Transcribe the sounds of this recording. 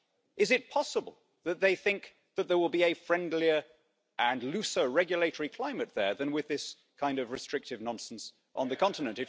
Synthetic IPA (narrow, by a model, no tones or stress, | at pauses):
ʔɨzɨt̚pʰɑsəbə̰l̩ˠ | ðɨt̪̚ðeɪθɪ̃ŋk̚ | ðɨt̪̚ðə˞wɪlˠbiɨfɹɛ̃ndˡliə˞ | ʔə̃nlʉsə˞ɹɛɡjɨleɪɾə˞ikʰl̥ãɪ̃mɨt̪̚ðə˞ðɨ̃nwɨðɪs | kʰãɪ̃ndʌvɹɨstɹ̥ɪk̚tɨvnɑ̃nsn̩s | ʔn̩ðɨkʰɑ̃ntɨnɨ̃ntɨ